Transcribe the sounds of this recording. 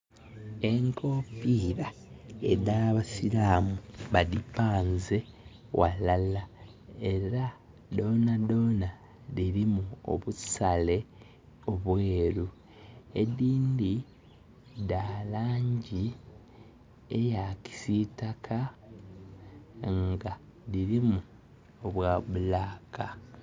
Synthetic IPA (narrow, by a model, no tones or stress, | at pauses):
e̞ŋkʰo̞ːpiːɾaḛdaːβasilaːmuβadipaːnze̞ | wʔalala | e̞ɾa | do̞ːnado̞ːna | ðiɾimuo̰βusale̞ | o̞βweːɾu | ediːndi | daːlaːɲɟi | ḛjaci̥sitakʰa | ŋɡaðiɾimu | oβwaːβulaːkʰa